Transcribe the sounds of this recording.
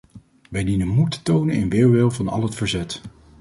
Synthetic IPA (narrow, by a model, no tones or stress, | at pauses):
ʋɛjdinənmutə̥townənɪnʋɪːɹʋɪlˠvɑnɑ̰lˠɦətfəɹzɛt